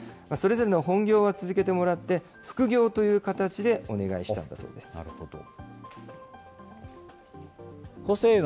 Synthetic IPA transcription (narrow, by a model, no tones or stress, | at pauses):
maso̞ɾe̞zo̞ɾe̞noɦõ̞ŋɡʲo̞ːβat͡sɨzɨke̞t̪e̞mo̞ɾat̪ːe̞ | ɸɯ̟̥kɯ̟ɡʲo̞ːt̪o̞jɯ̟ːkat̪at͡ɕid̪e̞o̞ne̞ɡa̰iɕi̥t̪ã̰nd̪a̰so̞ːd̪e̞̥sɨ̥̰ | koseːn